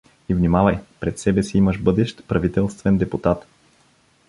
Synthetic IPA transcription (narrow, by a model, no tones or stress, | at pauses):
ivnimavɐjpɾɛt̪sɛbɛsiiməʃbɤd̪ɛʃt̪pɾɐvit̪ɛlˠst̪vɛnd̪ɛput̪at̪